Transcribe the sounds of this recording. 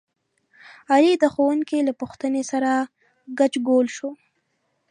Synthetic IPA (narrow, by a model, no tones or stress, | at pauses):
alid̪əxowuŋkilapuxt̪ənesaɾa | ɡat͡ʃɡolʃo